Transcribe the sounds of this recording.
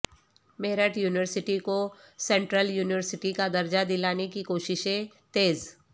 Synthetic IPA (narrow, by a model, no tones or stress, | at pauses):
meːɾəʈjuːnɪʋəɾsɪʈiko | sɛ̃ɳʈɾəljuːnɪʋəɾsɪʈikad̪ɐɾd͡ʒad̪ɪlaːnekikoːʃɪʃẽ | t̪eːz